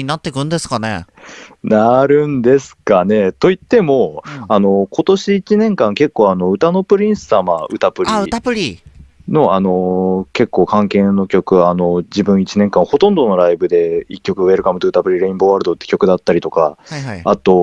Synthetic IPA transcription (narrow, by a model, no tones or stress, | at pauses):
ɲinat̪ːe̞kɯ̟̃nd̪esɨ̥kanḛnaɾɯ̟̃nd̪e̞sɨ̥kane̞t̪o̞it̪ːe̞mo̞ano̞ko̞t̪o̞ɕiit͡ɕinẽ̞ŋkãŋke̞kːoːano̞ɯ̟t̪ano̞pɯ̟ɾʲĩɰ̃sɨ̥samaɯ̟t̪apɯ̟ɾiɯ̟t̪apɯ̟ɾʲino̞ʔano̞ke̞kːo̞ːkãŋke̞nːokʲo̞kɯ̟ano̞d͡ʑibɯ̟̃ɰ̃it͡ɕinẽ̞ŋkãɰ̃ho̞t̪õ̞nd̪o̞no̞ɾaibɯ̟d̪e̞ikʲːo̞kɯ̟βe̞ɾɯ̟kamɯoɯ̟t̪apɯ̟ɾʲiɾe̞ĩmbo̞βaɾɯ̟d̪o̞t̪ːe̞kʲo̞kɯ̟d̪at̪ːaɾʲit̪o̞ka̰aat̪o̞